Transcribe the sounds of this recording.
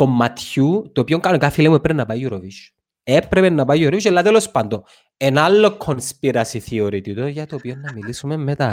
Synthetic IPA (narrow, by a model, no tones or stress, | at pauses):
komːat̪çut̪opioŋkaokafilemuepɾeenːapajjuɾoviʃ | epɾepenːapajuɾoviʃelːat̪elospand̪o | enalːokʰːonspiɾasiθioɾit̪it̪oʝat̪opionːɐmilisumemːet̪a